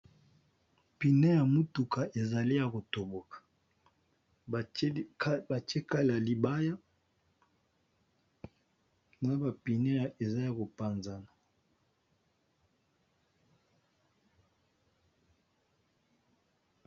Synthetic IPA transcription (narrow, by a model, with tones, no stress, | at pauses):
pi˨ne˦ja˨mu˦tu˨ka˨e˨za˨li˦ja˨ko˨to˨bo˨kḁ˨˦ | ba˨t͡ʃe˦ka˦la˨li˨ba˦ja˦ | na˦ba˨pi˨ne˦ja˨e˨za˦ja˨ko˨pa˨nza˨na˨